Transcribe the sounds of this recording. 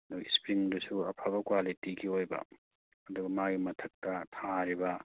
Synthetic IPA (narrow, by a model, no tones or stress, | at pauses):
ɐduɡispɾiŋdusuɐpʰabɐkwalitiɡiojbɐ̰ | ɐduɡɐmaɡimɐtʰɐk̚tɐtʰaɾibɐ